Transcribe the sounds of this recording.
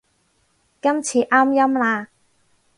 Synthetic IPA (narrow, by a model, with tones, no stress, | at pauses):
kɐ˥mt͡sʰiː˧ʔaː˥mjɐ˥mlaː˧